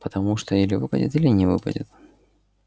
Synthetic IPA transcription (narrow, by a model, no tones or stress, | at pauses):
pət̪ɐmuʂt̪oilʲɪvɨpə̰dʲɪ̰t̪ilʲɪnʲɪvɨpə̰dʲɪ̰t̪